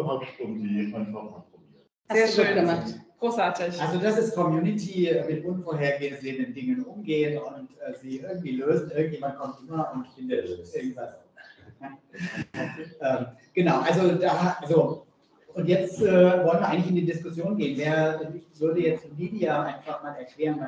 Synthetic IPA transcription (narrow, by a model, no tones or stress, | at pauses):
halpʃtʊndn̩ːaɪnfana̰ʊi | aeøːɡəmatɡ̥ʁoːsʔaːɐtɪçʔalzodasɪstkʰɔmjuːnɪtʰiːɛmɪtʔʊnfoːɐɦeːɐɡeːəzeːəndəndɪŋənʔʊmɡeːənʊntʔɛːziːʔɪɐɡŋ̩tv̥iːløːzn̩ʔɪɐɡŋ̩t̚jeːmant̚kʰɔmtʔɪmɐʊntb̥ɪndeɐløːʔɪɐɡŋ̩tv̥as | ʔɛːmɡ̥ənaʊʔalzodaːʔalzo | ʔʊntjɛt͡stʔɛːvɔlənviːɐʔaɪŋlɪçɪndiːdɪskʊsjoːnɡeːənveːɐdɛnɪv̥ʏɐdəjɛt͡stːmiːdiaʔaɪnfaχmaːlɛɐkl̥eːʁənva